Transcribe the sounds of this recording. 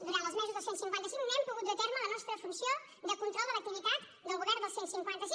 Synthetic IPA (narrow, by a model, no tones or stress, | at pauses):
d̪uɾant̪əzmɛzuzðəlˠsentsiŋkwant̪əsiŋnɛmpuɣut̪d̪ət̪ɛɾmələnɔst̪ɾəfunsijo | d̪əkunt̪ɾɔlˠd̪ələk̚t̪iβit̪at̪ | d̪əlˠɣuβɛrnd̪əlˠsensiŋkwant̪əsi